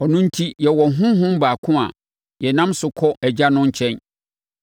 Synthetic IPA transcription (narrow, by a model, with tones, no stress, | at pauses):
ɔ˨nʊ̃˦n̩˦tʰi˦jɛ˨wɔ˨ɦʊ̃˦ɦʊ̃˦m˦baː˨kʰʊ̃˦a̰˨ | jɛ˨nã˦msʊ˨kʰɔ˦ʔɛ˨d͡ʑa˦nʊ̃˦ɲ̩˦t͡ɕʰɛ̃˦n